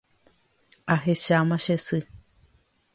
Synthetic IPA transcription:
aɦeʃamaʃesɨ

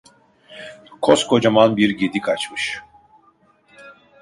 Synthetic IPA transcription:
kʰoskʰo̞d͡ʒamanbiɾɟed̪ikʰat͡ʃmɯʃ

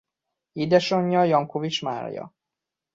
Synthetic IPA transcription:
id̪ɛʃoɲːɒjɒŋkovit͡ʃma̰ːrjɒ̰

